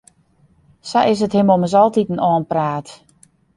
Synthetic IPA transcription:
saʔɪs̬əthɪmoməsɔlˠtitənɔːnpraːt

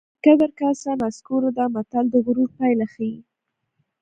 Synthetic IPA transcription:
kəd̪aɾkasanaskoɾod̪amat̪ald̪əɣʊɾuɾpajlaxaji

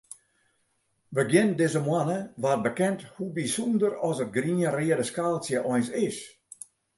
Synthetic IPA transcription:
ʋəɡjɪndɪzəmwanəʋarbəkɛnthubisundərɔsət̚ɡriːərɪədəskaːlˠsjəʔɔjnsɪs

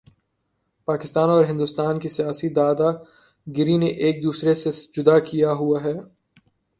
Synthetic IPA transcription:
paːkɪst̪aːnɔːɾɦɪ̃nd̪ʊst̪aːnkisijaːsid̪aːd̪a | ɡɪɾineʔeːk̚d̪uːsɾesed͡ʒʊd̪akijaɦuaɦɛː

